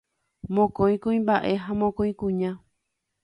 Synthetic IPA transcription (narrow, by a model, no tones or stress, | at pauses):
mõkõj̃kũĩmbaʔe̞ɦamõkõj̃kũɲã